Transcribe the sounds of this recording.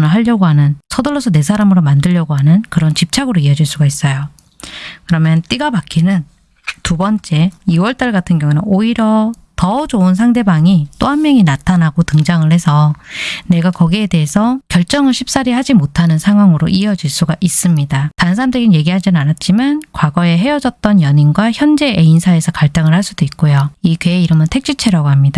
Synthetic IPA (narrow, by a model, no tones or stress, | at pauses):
nɯɭɦaʎːʌɡoɦanɯnsʰʌdoɭːosʰʌne̞sʰaɾamɯɾomandɯʎːʌɡoɦanɯnkɯɾʌnt͡ɕip̚t͡ɕʰaɡɯɾoiʌd͡ʑiɭs͈uɡais͈ʌjo | kɯɾʌmjʌnt͈iɡapak͈ʰinɯn | tubʌnt͡ɕ͈e̞iwʌɭt͈aɭɡatʰɯnɡjʌŋunɯnoiɾjʌ | tʌd͡ʑouns̬ʰaŋde̞baŋit͈oɦammjʌŋinatʰanaɡotɯŋd͡ʑaŋɯɭhe̞sʰʌne̞ɡakʌɡie̞de̞ɦesʰʌkjʌɭt͡ɕ͈ʌŋɯɭɕʰi̥p̚s͈aɾiɦad͡ʑimotʰanɯnsʰaŋɦwaŋɯɾoʔiʌd͡ʑiɭs͈uɡaʔis͈ɯmɲidatansʰamdʰeɡinje̞ɡiɦad͡ʑinɯnanat̚t͡ɕ͈imankwaɡʌe̞ɦe̞ʌd͡ʑʌt̚t͈ʌnjʌɲinɡwaçjʌnd͡ʑe̞einsʰae̞sʰʌkaɭt͈aŋɯɭhaɭs͈ud̥oik̚k͈ojoikeeiɾʌmjʌntʰe̞k̚t͡ɕ͈ut͡ɕʰeɾaɡoɦamɲida